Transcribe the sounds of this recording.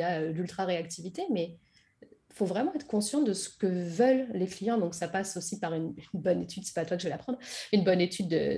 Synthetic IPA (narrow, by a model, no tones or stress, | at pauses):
aølylt̪χaʁeak̚t̪ʰivit̪emɛ | fovʁɛmɑ̃ɛt̪χə̥kɔ̃sjɑ̃d̪əsə̥kəvœlːeklijɑ̃d̪ɔ̃ksapasosipaʁynynbɔnet̪ʰyd̪sɛ̥pat̪wakəʒvəlapχɑ̃d̪ʁynbɔnet̪ʰyd̪ə̰